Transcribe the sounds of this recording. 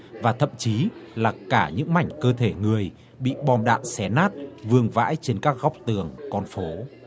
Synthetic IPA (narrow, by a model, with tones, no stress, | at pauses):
vaː˨˩t̪ʰə̰˧˨mt͡ɕi˨˦laː˨˩kaː˧˩ɲɨ̰˧˥ŋma˨˩jŋ̟kəː˧t̪ʰe˧˩ŋɨ˨˩əj | ɓḭ˧˨ɓɔ˧˩mɗa̰ː˧˨nsɛ˧˦naː˦˥t̚vɨ˧əŋva̰ː˧˥jt͡ɕe˧nkaː˦˥k̚ɣa˦˥wk͡p̚t̪ɨ˧˩əŋkɔ˧nfo˨˦